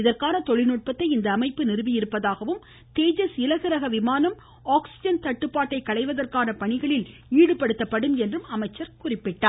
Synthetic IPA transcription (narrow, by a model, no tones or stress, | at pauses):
ɪðɐrkaːnɐt̪ɔɭɪnuːʈ̚pɐt̪ːɐɪɪnd̪ɐːmɐɪpːɯnɪɾɯʋɪjɪɾɯpːɐðaːɣɐʋɯm | t̪eːd͡ʒɐsɪlɐɣɪɾɐɣɐʋɪmaːnɐm | aːksɪd͡ʒɐnt̪ɐʈːɯpːaːʈːɐɪkːɐɭɐɪʋɐðɐrkaːnɐpɐɳɪɣɐɭɪliːɽɯpɐɽɯt̪ːɐpːɐɽɯmɛndrɯmɐmɐɪt͡ʃːɐɾkʊrɪpːɪʈːaː